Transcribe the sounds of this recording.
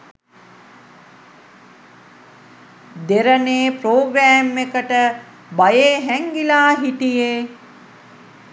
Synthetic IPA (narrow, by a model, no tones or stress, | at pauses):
d̪eɾəneːpɾoːɡɾæːmːekəʈə | bajeːɦɛŋɡilaːɦiʈijeː